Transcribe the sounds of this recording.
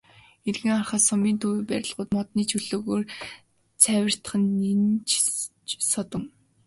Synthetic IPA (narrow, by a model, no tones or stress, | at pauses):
erɣɘ̆ŋarχăːsɔmiːnt̪ʰuwpæɾʲɪ̆ɮʁʊːt̪mɔt̪niːt͡ɕʰɵɮoːɣoːr | t͡sʰæwʲɪ̆r̥t̪̆χɘ̆nːent͡ɕ | t͡ɕsɔt̪ɞ̆ŋ